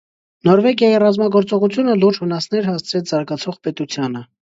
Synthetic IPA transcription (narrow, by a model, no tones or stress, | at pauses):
nɔɾvɛɡjɑjirɑzmɑɡɔɾt͡sɔʁut͡sʰjunəluɾd͡ʒvənɑsnɛɾhɑst͡sʰɾɛt͡sʰzɑɾɡɑt͡sʰɔʁpɛt̪ut͡sʰjɑnə